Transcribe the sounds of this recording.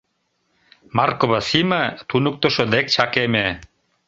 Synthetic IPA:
markobasimat̪ʰunuk̚t̪oʃod̪ek̚t͡ɕʰakeme

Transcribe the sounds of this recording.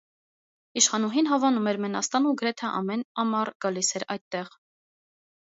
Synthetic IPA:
iʃχɑnuɦinɦɑvɑnumɛɾmɛnɑ̰st̪ɑnuɡəɾɛt̪ʰɛʔɑ̰mɛnɑmɑɾɡ̥ɑlisɛɾɑjt̪̚ːɛʁ

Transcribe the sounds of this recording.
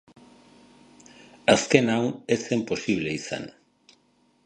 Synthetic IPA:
aske̞nawnesempo̞siβ̞le̞isa̰n

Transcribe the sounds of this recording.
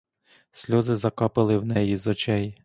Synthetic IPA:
sʲlʲɔzɪzɐkɑpɪlˠɪwnɛjizɔt͡ʃɛj

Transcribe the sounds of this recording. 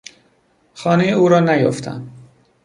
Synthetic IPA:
xɒːnejeuːɾɒːnæjo̰ft̪ʰæ̰nd̪

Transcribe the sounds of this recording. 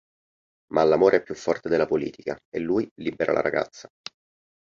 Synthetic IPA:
mʔalːamoːɾeɛpːjufːɔrt̪ed̪elːapolḭːt̪ikaelːuːjlibeɾʔa̰la̰ɾa̰ɡa̰t̪sːa

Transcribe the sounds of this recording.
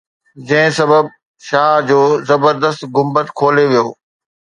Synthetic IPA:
d͡ʑɐ̃ɦɪ̃sɐbəb̚ | ʃaːd͡ʑoːzɐbəɾd̪əst̪ɡʊmbət̪kʰoːleʋijoː

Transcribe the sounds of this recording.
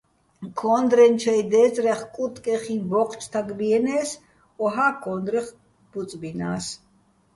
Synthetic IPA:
kʰɔnd̪ɾɛnt͡ʃʰɛjd̪ɛt͡sʼɾɛχkʼut̪ʼkʼɛχivɔqʰt͡ʃʰt̪ʰaɡbiɛnɛs | ɔɦakʰɔnd̪ɾɛχ | b̥ut͡sʼbina̰ːs

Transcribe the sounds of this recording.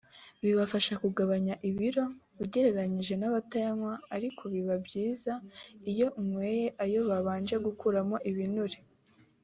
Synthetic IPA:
βiβafaʃakuɡaβaɲaʔiβiɾo̞βuɟe̞ɾe̞ɾaɲiʒe̞naβatajaŋwaːɾikʰo̞βiβabɟiːzaijo̞umweːje̞ʔajo̞βaβaːnd͡ʒe̞ɡukuɾamo̞ʔiβinuɾe

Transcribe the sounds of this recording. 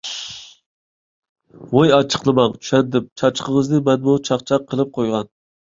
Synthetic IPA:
wojɑt͡ʃʰə̥qlˠɨmɑŋt͡ʃʰy̥ʃɛnd̪ɪp̚t͡ʃʰɑt͡ʃqʰəʁəzd̪ɨmɛnmut͡ʃʰɑχt͡ʃʰɑqʰːəlˠɨp̚qʰojʁɑn

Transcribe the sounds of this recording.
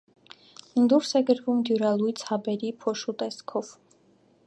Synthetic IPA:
nd̪uɾsɛɡəɾvumd̪juɾɑlujt͡sʰhɑbɛɾipʰɔʃut̪ɛskʰɔv̥

